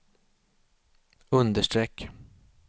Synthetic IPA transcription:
ɵnd̪əʂʈɾɛkː

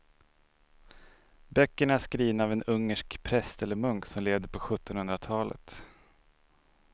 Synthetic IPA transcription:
bœkːəɳaæsʂkɾiːvnaaːvɛnɵŋːəʂkpʰɾɛst̪ɛlːəɾmɵŋksɔmleːvd̪əɾpʰɔɧɵt̪ːɔnhɵnd̪ɾat̪ʰɑːlə̰t̪

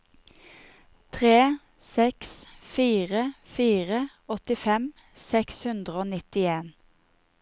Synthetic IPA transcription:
t̪ʰʁeː | sɛksfiːʁəfiːʁə | ɔt̪ɪfɛm | sɛkshʉnd̪ʁəoːnɪt̪ɪeːn

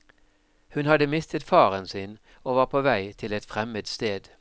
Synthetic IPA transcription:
hʉnhɑd̪əmɪst̪ʰət̪fɑːʁənsiːn | oːʋɑːʁpʰoːʋæɪt̪ʰɪlɛt̪fʁɛmət̪st̪eːd̪

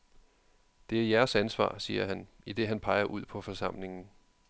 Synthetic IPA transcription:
d̥e̝æɐjæɐsænsʋɑ̰̈ːsiːɐɦæn | id̥e̝ɦænpʰɑ̈ɪɐʔuð̞̰ˠpʰɒ̽fɒ̽sɑ̈m̰le̝ŋn̩

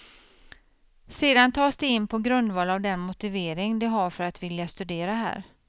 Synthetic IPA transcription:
seːd̪ant̪ʰɑːsd̪ɛɪnːpʰɔɡɾɵnd̪vɑːlavd̪ɛnmʊt̪ɪveːɾɪŋd̪ɛɦaɾfœɾat̪vɪljast̪ɵd̪eːɾaɦæ̰ːɾ

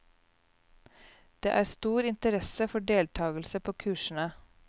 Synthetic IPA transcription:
d̪̥ḛːʔæːɾst̪uːɾɪnt̪əɾɛsəfɔɖeːlt̪ʰɑːɡl̩səpʰoːkʰʉːʃn̩ə

